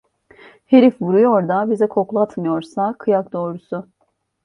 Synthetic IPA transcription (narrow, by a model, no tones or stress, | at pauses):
heɾifvuɾujoɾd̪abizɛkʰo̞klˠat̪mɯjo̞ɾsakʰɯjak̚d̪o̞ːɾusʊ